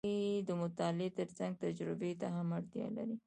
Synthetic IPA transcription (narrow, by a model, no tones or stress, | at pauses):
id̪əmʊt̪ɑlet̪əɾsaŋɡ̚t̪ad͡ʒɾɪbet̪aɦamaɽt̪jɑ̰la̰ɾi